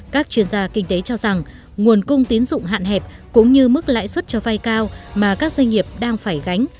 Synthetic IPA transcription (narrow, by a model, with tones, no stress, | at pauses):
kaː˦˥k̚t͡ɕwi˧ənzaː˧kï˧ŋ̟t̪e˨˦t͡ɕɔ˧za˨˩ŋ | ŋu˨˩ənkʊ˧ŋ͡mt̪i˨˦ənzʊ̰˧˨ŋ͡mɦa̰ː˧˨nɦɛ˨˩p̚kʊ̰˧˥ŋ͡mɲɨ˧mɨ˦˥k̚la̰ː˧˥jswə˦˥t̚t͡ɕɔ˧va˧jkaː˧wmaː˨˩kaː˦˥k̚za˧jŋ̟ŋi˨˩əp̚ɗaː˧ŋfaː˧˩jɣa˨˦jŋ̟